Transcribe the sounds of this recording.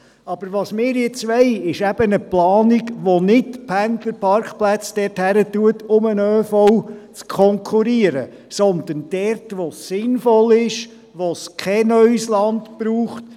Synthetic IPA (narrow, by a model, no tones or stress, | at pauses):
ɑb̥əɾʋɑsmɪːɾjɛt͡sʋɛɪɪʃæb̥ənəplɑːniɡʋonɪdpʰændləɾpʰɑɾkχplæt͡sd̥ɛɾthæɾətuətʊmənøfɔwt͡skʰɔŋkʰuɾiəɾə | sɔnd̪ənd̥ɛrtʋosːɪnfɔlɪʃ | ʋoskʰɛnœɥslɑndpɾuːχt